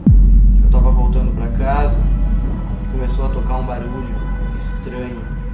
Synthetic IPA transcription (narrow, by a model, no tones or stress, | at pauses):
t̪avɐvowt̪ɐ̃nd̪ʊpɾɐkazɐ | komesowɐt̪okaɾũbaɾuʎʊist̪ɾɐ̃ɲʊ